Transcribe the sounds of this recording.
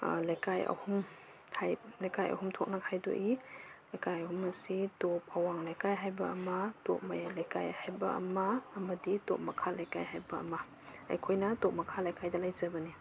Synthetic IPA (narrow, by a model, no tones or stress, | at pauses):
lajkajɐ̰hum | hajlajkajɐ̰humtʰok̚nakʰajdo̰ʔilajkajɐhumɐsitop̚ʰawaŋlajkajɦajbɐɐmɐdo̰p̚ma̰jalajka̰jhajbɐɐ̰mɐːmɐdido̰p̚mɐkʰalajkajɦajbɐɐ̰mɐ | a̰jkʰojnɐtop̚mɐkʰalajkajdɐlajzɐbɐni